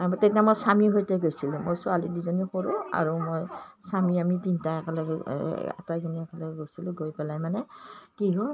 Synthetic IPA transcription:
tɛtiamojsamiɦojtɛɡojsilʊ̃mo̰jsɔalidizɔnixoɹʊa̰ɹumojsamiamitintaɛkɛlɛkɛɛ̰taɡiniɛkɛlɛɛɡojsilʊ̃ɡojpɛlajmanɛkiɦɔ

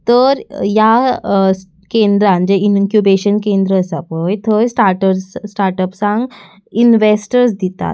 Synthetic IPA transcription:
t̪əɾja | kend̪ɾãnd͡ʑeinkjubeɕənkẽnd̪ɾəːsapəjt̪ʰəsʈaɾʈəɾssʈaɾʈəpsãŋɡ | inʋesʈəɾsd̪it̪a̰t̪

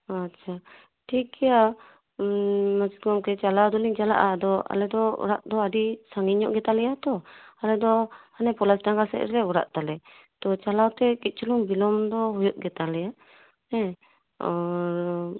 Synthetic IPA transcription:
at͡ʃʰa | ʈikɛja | mad͡ʒiɡɔmkɛt͡ʃalawd̪ɔliŋd͡ʒala̰ʔad̪ɔa̰lɛd̪ɔṵɾaʔ̪d̪ɔadisaŋɡiɲɔʔɡɛt̪alɛjat̪ɔalɛd̪ɔanɛpɔlasdaŋɡasɛ̰ʔɾɛlɛɔɾa̰ʔt̪alɛ | t̪ɔt͡ʃalawt̪ɛkit̪̚ˀt͡ʃuluŋbilɔmd̪ɔɦɔjɔʔ̚ɡɛt̪alɛja | nɛ | ɔɾ

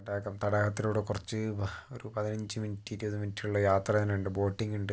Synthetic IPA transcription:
ɐɽakɐmt̪ɐɽɐɣɐt̪ːiloːɽekurɐt͡ɕːɨoɾupɐðinɐɲd͡ʑɨminitːiɾubɐðɨmintːiuɭːɐjaːt̪rɐɐneuɳɖɨbo̞ːʈːiŋɡuɳɖɨ

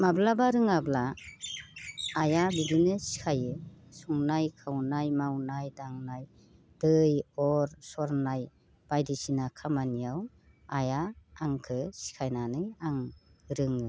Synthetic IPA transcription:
mablabaɾɯŋabla | jabidinɯsi̥kʰajɯsuŋnajkʰawnajmawnajdaŋnaj | d̥ɯjɔɾsɔɾnaj | b̥ajdisinakʰamanijaw | ajaːŋkʰɯsi̥kʰajnanɯaŋɾɯŋɯ

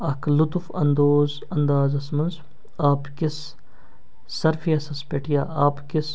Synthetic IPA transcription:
ɐkʰlut̪ufɐ̰nd̪oːz | ɐnd̪aːzɐsmɐnz | aːpkis | ɐɾfijɐsɐspeʈʰijaːaːpkis

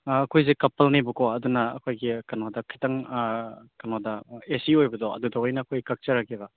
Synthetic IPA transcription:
kʰojzekɐpɐlnibukʰɔɐdunɐ̰ːkʰojɡikɐnodɐkʰitɐŋ | kɐnodɐesiojbɐdɔɐ̰dudɐwɔjnɐːkʰojkɐk̚t͡ʃɐɾakeβɐ

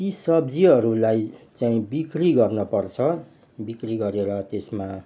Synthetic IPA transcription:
isʌbd͡ziɦʌɾulajt͡saĩbikriɡʌrnʌpʌrt͡sʰʌ | bikriɡʌɾeɾʌt̪esma

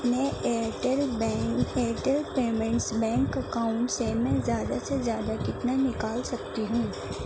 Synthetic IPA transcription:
neeːʈəlbɛ̃eːʈəlpeːmɛ̃ɳʈsbɛ̃ːŋkɐkaːʊ̃ɳʈsemɛ̃zjaːd̪asezjaːd̪akɪt̪nanɪkaːlsɐkt̪iɦũː

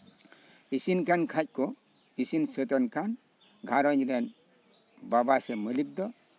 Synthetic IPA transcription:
isinkankʰac̚kɔ | isinsət̪ɛnkʰan | ɡʱaɾɔɲɾɛn | babasɛməlip̚d̪ɔ

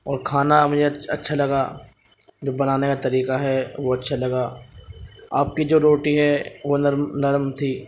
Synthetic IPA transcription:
ɔːɾkʰaːnamʊd͡ʒʱeɐ̰tːʃʰalɐɡaː | d͡ʒoːbɐnaːnekat̪ɐɾiːqaɦɛʋoɐtːʃʰalɐɡaː | aːp̚kid͡ʒoːɾoːʈiɦɛʋonɐɾmnɐɾmt̪ʰiː

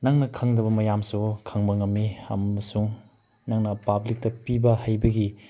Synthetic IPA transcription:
nɐŋnɐkʰɐŋdɐbɐmɐjamsukʰɐŋbɐŋɐmːiɐ̰mɐsuŋ | nɐŋnɐpablik̚tɐpibɐhajbɐɡi

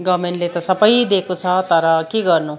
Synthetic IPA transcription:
ɡʌːmeɳʈlet̪ɔsɐpəjd̪eːkut͡sʰɐt̪ɐɾakiɡʌɾnu

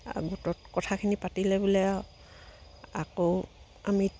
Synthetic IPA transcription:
a̰ɡutɔtkɔtʰakʰinipatilɛbulɛ | a̰ko | ami

